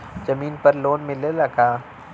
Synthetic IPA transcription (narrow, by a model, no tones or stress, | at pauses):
d͡ʒɐmiːnpɐɾloːnmɪlelɐɡaː